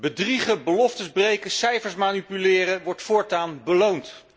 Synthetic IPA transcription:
bədriχəbəlɔftəzbrejkəsɛjfəɹsmaːnipylɪːrəʋɔɹtfʊːɹtaːnbəlownt

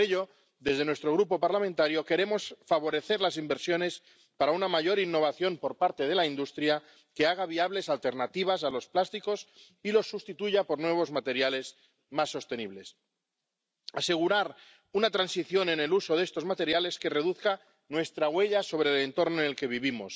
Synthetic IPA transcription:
oeʎo̞ | d̪e̞zðe̞nwe̞st̪ɾo̞ɣ̞ɾupo̞paɾlamẽnt̪aɾjo̞ke̞ɾe̞mo̞sfaβ̞o̞ɾe̞θe̞ɾlas̬imbe̞ɾsjo̞ne̞s | paɾaunamaʝo̞ɾinːo̞β̞aθjo̞mpo̞ɾpaɾt̪eð̞e̞laind̪ust̪ɾja | ke̞aɣ̞aβiaβle̞salt̪e̞ɾnat̪iβ̞asalo̞splast̪iko̞s | ilo̞sːust̪it̪uʝapo̞ɾnwe̞β̞o̞zmat̪e̞ɾjale̞s | masːo̞st̪e̞niβ̞le̞s | ase̞ɣ̞uɾaɾ | unat̪ɾansiθjo̞ne̞ne̞luso̞ðest̪o̞zmat̪e̞ɾjale̞ske̞re̞ðuθka | nwe̞st̪ɾaɣwe̞ʎaso̞β̞ɾe̞le̞nt̪o̞ɾnoenelke̞βiβimo̞̰s

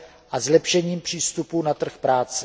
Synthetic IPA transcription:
ʔazlɛpʃɛɲiːmpr̝̥iːst̪upunat̪r̩xpɾaːt͡sɛ

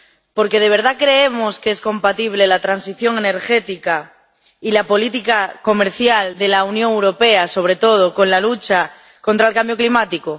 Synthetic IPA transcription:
po̞ɾke̞ð̞e̞β̞e̞ɾð̞akɾe̞emo̞skeesko̞mpat̪iβ̞le̞lat̪ɾansiθjo̞ŋe̞ne̞ɾxe̞t̪ika | ilapo̞lit̪ikako̞me̞ɾθjald̪e̞launjõ̞ŋewɾo̞pe̞aso̞β̞ɾe̞t̪o̞ð̞oko̞nlalut͡ʃa | kont̪ɾaelkambjoklimat̪iko

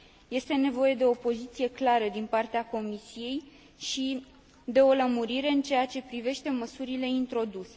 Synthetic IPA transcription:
je̞st̪e̞ne̞vo̞je̞d̪e̞opo̞zit̪sije̞klaɾəd̪inpart̪eako̞misije̞j | ʃi | d̪e̞o̞ləmuɾiɾe̞ɨnt͡ʃe̞jat͡ʃe̞pɾive̞ʃt̪e̞məsuɾile̞int̪ɾo̞d̪use̞

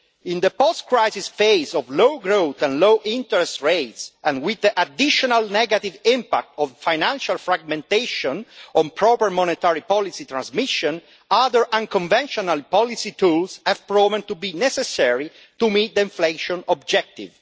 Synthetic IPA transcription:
ĩnd̪əpɔst̪kɹajzisfejzɔvlowɡɾot̪ɛ̃nlowʔĩnt̪əɹɛst̪ɹejt̪sɛ̃nwid̪əʔad̪iʃɔnalnɛɡat̪ivĩmpa̰k̚t̪ɔvfajnãnʃalfɹaɡ̚mɛ̃nt̪eʃɔ̃nɔ̃npɾɔpəɹmɔnet̪aɹipɔlisit̪ɾãnzmiʃɔ̃n | aðəɹʔãŋkɔ̃ɱvɛ̃nʃɔnalpɔlisit̪ulsɛvpɹɔvɛ̃nt̪ubinɛsɛsɛɹi | t̪umit̪̚d̪əĩɱfleʃɔ̃nɔb̚d͡ʒɛk̚t̪ḭv

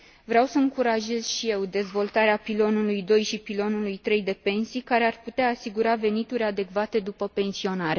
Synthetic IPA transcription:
vɾeawsəɨŋkuɾaʒe̞z̥ʃije̞wd̪e̞zvo̞lt̪aɾeapilo̞nulujd̪o̞jʃipilo̞nulujt̪ɾe̞jd̪e̞pe̞nsijkaɾe̞arput̪eaːsiɡuɾave̞nit̪uɾʲad̪e̞kvat̪e̞d̪upəpe̞nsio̞naɾe

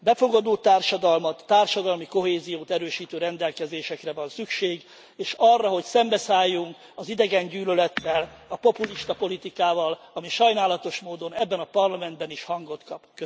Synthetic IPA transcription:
bɛfo̞ɡɒd̪oːt̪ːaːrʃɒd̪ɒlmɒt̪ːaːrʃɒd̪ɒlmiko̞ɦeːzijoːt̪ɛɾøːʃiːt̪øːɾɛnd̪ɛlkɛzeːʃɛkrɛvɒnsykʃeːɡ | eːʃɒrːɒɦo̞csɛmbɛsaːjːuŋk | ɒzid̪ɛɡɛɲɟyːlølɛt̪ːɛlɒpo̞puliʃt̪ɒpo̞lit̪ikaːvɒlɒmiʃɒjnaːlɒt̪o̞ʃmoːd̪o̞nɛbːɛnɒpɒrlɒmɛnd̪bɛniʃhɒŋɡo̞t̪kɒpkø

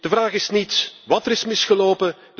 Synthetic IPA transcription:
d̥əvraːχɪsnitʋɑtəɾɪsmɪsxəloːpə

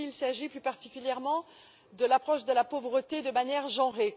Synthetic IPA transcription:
ilsaʒiplypaʁt̪ikʲyljɛʁmɑ̃ | d̪əlapχɔʃd̪əlapovʁət̪ed̪əmanjɛʁʒɑ̃ʁe

